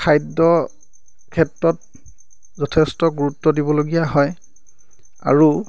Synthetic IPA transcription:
kʰajdɔ | kʰɛtɹɔt̚ | zɔtʰɛstɔɡuɹutːɔdibɔloɡijaɦɔj | a̰ɹu

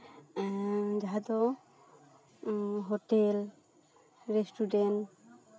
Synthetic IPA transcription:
d͡ʒaɦad̪ɔ | ɦoʈel | ɾesʈuɖen

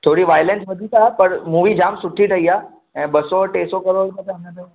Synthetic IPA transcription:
t̪ʰoːɽiʋaːjlẽnsʋɐd̪ʱit̪apɐɾmuːʋid͡ʑaːmsʊʈʰiʈɐiaː | ɛ̃ːbɐsɔʈeːsɔkɐɾoːɽkə̃t̪eɐ̃nə̃t̪ɐ

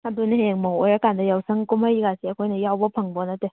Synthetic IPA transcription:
adunɯheŋmɔwɔjɾakandajawsəŋkumhajikasiəkʰojnajawbɔpʰəŋbɔnatɯ

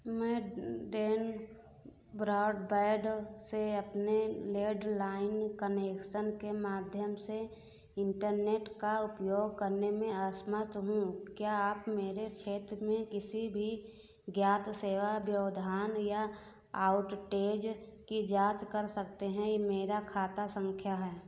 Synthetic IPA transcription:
mɛ̃ːɖeːn | bɾaːɖbeːɖseəpneleːɖlaːɪnkəneːkʃənkemaːd̪ʱjəmse | ɪ̃ɳʈəɾneːʈkaʊpjoːɡkəɾnemẽəsmət̪ɦũkjaːaːpmeːɾet͡ʃʰeːt̪ɾmẽkɪsibʱi | ɡjaːt̪seːʋabjəʋd̪ʱaːnja | aːʊʈʈeːd͡ʒkid͡ʒaːt͡ʃkəɾsək̚t̪eɦɛ̃meːɾakʰaːt̪asə̃ŋkʰjaɦɛː

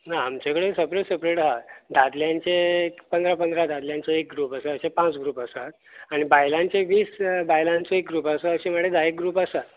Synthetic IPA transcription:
nãːmt͡ɕekəɽesəpɾeʈsəpɾeʈaɦat̪d̪ʱad̪ljãnt͡ɕekpənd̪ɾapənd̪ɾad̪ʱad̪ljãnt͡soek̚ɡɾuːpəsəəɕepãt͡sɡɾuːpəsat̪ | aɽ̃ibajlãnt͡seʋiːsbajlãnt͡soek̚ɡɾuːpasəəɕiməʈːed̪aek̚ɡɾuːpəsa

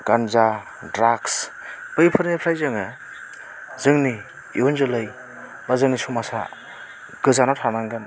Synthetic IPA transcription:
ɡ̥anza | dɾakspɯjpʰɯɾnepʰɾajzɯŋɯ | zɯŋni | iwunzɯlɯj | bazɯŋnisumasa̰ | ɡɯzanatʰanaŋɡɯn

